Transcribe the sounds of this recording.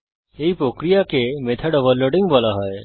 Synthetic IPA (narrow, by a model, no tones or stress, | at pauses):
eipɾokɾijakemet̪ʰəɖəʋəlːoɖɪ̃ŋɡʋalaɦɔe